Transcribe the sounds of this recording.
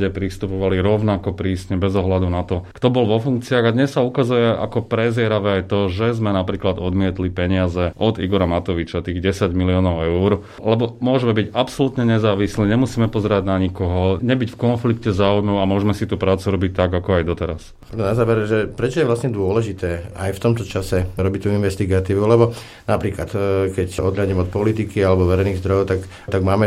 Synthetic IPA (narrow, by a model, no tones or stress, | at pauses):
ɛpɾist̪upɔʋaliɾɔʊnakɔpɾiːsɲɛbɛzɔɦlad̪unat̪ɔkt̪ɔbɔlʋɔfuŋkt͡siaɣad̪ɲɛsːaukazujɛʔa̰kɔpɾɛzɪɛɾaʋɛajt̪ɔʒɛzmɛnapɾiːklad̪ɔd̪mɪɛt̪lipɛɲɪazɛʔɔd̪ḭɡɔɾamat̪ɔʋit͡ʃat̪iːɣɟɛsaɟmiliɔːnɔʊɛuɾ | lɛbɔmʊɔʒmɛbiɟapsɔlut̪ɲɛɲɛzaːʋisliːɲɛmusiːmɛpɔzɛɾaɟnaɲikɔɦɔɲɛbicfkɔnflikcɛzaujnuamʊɔʒmɛsit̪uːpɾaːt͡suɾɔbic̚t̪ːaɡakɔajd̪ɔt̪ɛɾas | ad̪nazaːʋɛɾʒɛpɾɛt͡ʃɔjɛʋlasɲɛd̪ʊɔlɛʒit̪ɛːʔa̰jft̪ɔmt̪ɔt͡ʃasɛɾɔbit̪uinʋɛst̪iɡat̪iːʋulɛbɔ | napɾiːklat̪kɛcɔd̪ʎaɟimɔt̪̚pɔlit̪ikialɛbɔʋɛɾɛjniɣzd̪ɾɔjɔʊt̪ak | t̪aɡmaːmɛ